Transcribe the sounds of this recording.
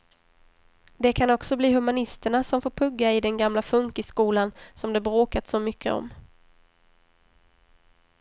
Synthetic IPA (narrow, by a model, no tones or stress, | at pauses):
d̪ɛkʰanɔksɔbliːɦɵmanɪst̪əɳasɔmfoːɾpʰɵɡːaɪd̪ɛnɡamlafɵŋkɪskuːlansɔmd̪ɛbɾoːkat̪sɔmʏkʰːə̰ɔ̰mː